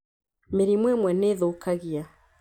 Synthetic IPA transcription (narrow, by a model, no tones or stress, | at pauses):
meɾimwɛmwɛneðokʰaɣia